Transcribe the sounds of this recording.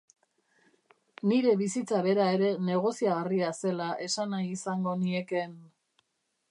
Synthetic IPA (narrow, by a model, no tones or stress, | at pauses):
niɾe̞βisit͡saβe̞ɾae̞ɾe̞ne̞ɣ̞o̞siaɣariase̞laʔe̞sanajisaŋɡo̞nie̞ke̞n